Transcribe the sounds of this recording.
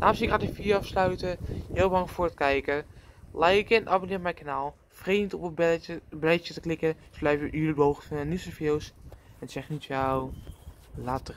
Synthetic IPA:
nʔaːmsɪkatɪfiəafslœɥtəjɪːlˠbaŋfoːrətkɛjkəlɛjɪkɪnʔabonɪːpmɛjkanaːlˠ | freːnitopəblɛt͡ʃətəklɪkəsblɛjfjəʔyːlədʋowxəfnɛnisəfjɪlˠsɛnsɛxnitjaw | latə

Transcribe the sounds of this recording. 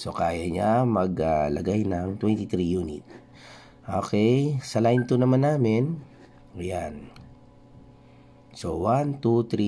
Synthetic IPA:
so̞kaːjɐɲamɐɡalɐɡajnɐŋt̪wɛnt̪ɪt̪ɾijuːnɪ̰t̪̚ | ʔo̞̰ːkɛjsɐlajnt̪unɐmanːaːmɪn | jan | so̰want̪ut̪ɾi

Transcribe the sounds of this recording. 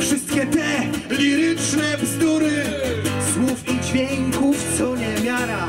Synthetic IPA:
fʂɨst̪kʲɛt̪ɛlʲiɾɪt͡ʂnɛpst̪uɾɪswufid͡ʑvʲjeŋkuft̪sɔɲɛmʲjaɾa

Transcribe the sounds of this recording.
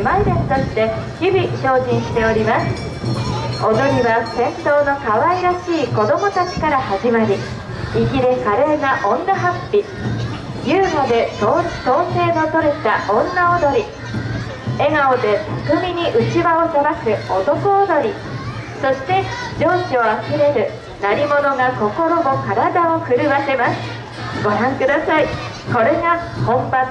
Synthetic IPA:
maid̪ẽ̞nt̪o̞ɕi̥t̪e̞çibʲiɕo̞ːʑĩɰ̃ɕi̥t̪e̞o̞ɾʲimasɨ̥ | od̪o̞ɾʲiβasẽ̞nt̪o̞ːno̞kaβaiɾaɕiːko̞d̪o̞mo̞t̪at͡ɕi̥kaɾahaʑimaɾʲi | iɡʲiɾekaɾe̞ːnaʔõ̞nd̪aɦapʲːi | jɯ̟ːŋod̪e̞d̪o̥ːt̪o̞ːse̞ːɡat̪o̞ɾe̞t̪aʔõ̞nːaod̪o̞ɾʲi | e̞ɡaod̪e̞t̪akɯ̟mʲiɲ̟iʔɯ̟t͡ɕiβaosaɾakɯ̟o̞t̪o̞koːd̪o̞ɾʲi | so̞ɕi̥t̪e̞d͡ʑo̞ːɕio̞akɯ̟ɾe̞ɾɯ̟ | naɾʲimo̞no̞ŋako̞ko̞ɾo̞mo̞kaɾad̪ao̞ɸɯ̟ɾɯ̟βase̞masɨ̥ | ɡo̞ɾãŋkɯd̪asai | ko̞ɾe̞ŋahõ̞mba

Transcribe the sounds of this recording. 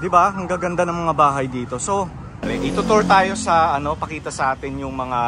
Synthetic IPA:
d̪ɪbaɦɐŋɡɐɡɐnd̪anɐŋmɐŋabaːɦɐjd̪iːt̪o̞so̞ | ɾɛʔɪt̪ʊt̪oɹt̪aːjo̞sɐʔɐno̞pɐkiːt̪ɐsɐʔaːt̪ɪnjʊŋmɐŋa

